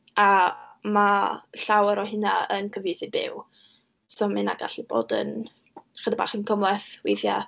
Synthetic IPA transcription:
amaɬawəɾɔɦɪnaənkʰəvjɪjθɪbɪ̰w | sɔmɪna̰ɡ̥a̰ɬɪb̥o̰ːdə̰n | χədaba̰ːχənkʰəmlˠɛθwejθja

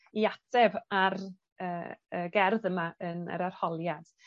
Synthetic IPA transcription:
iatʰɛvar | əːəːɡɛrðəmaənə̰ɾar̥hɔlˠjad̥

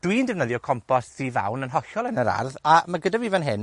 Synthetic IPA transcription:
d̥windɛvnəðjɔkʰɔmpʰɔsðiva̰wnənɦɔɬɔlˠɛnəɾa̰rðamaɡədavivanɦɪn

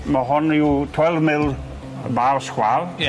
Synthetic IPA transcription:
məɦʊniwtʰwɛlˠvmɪlˠ | bawskwaːl

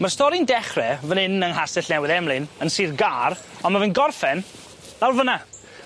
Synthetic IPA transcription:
marstɔɾɪndɛχrɛvənɪnəŋɦasɛɬnɛwɪðɛmlˠɨnənsiːðɡaːr | ɔnmavɨnɡɔrfɛn | lawrvəna

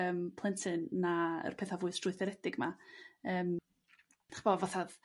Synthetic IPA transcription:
əːmpʰlˠɛntʰɨnːaə̰rpʰeːθavʊɨsd̥rʊɨθɛɾɛdɪɡmaəːm | aχb̥ovɔθað

